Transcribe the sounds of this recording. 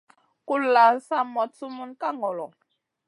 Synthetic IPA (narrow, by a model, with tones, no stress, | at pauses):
ku˦la˨sa˦mɔ˨tu˦mu˦nka˦ŋɔ˨lɔ˨